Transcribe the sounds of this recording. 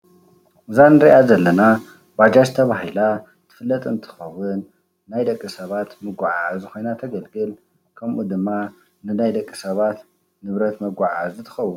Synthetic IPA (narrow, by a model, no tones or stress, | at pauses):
ɨzanɨɾiʔazɐlːɐna | bad͡ʒaʃt̪ʰɐβaɦila | t̪ʰɨ̥fɨlːɐt̪ʼɨnt̪ʰɨ̥xɐwʊnː | ajd̪ɐkʼːisɐβat̪mɨɡʷaʕazɨxo̞jnat̪ʰɐɡɐlɡɨl | kʰɐmʔud̪ɨmːa | nɨnajd̪ɐkʼːisɐβat̪ | nɨβɾɐt̪mɐɡʷaʕazɨt̪ʰɨ̥xɐwːʊn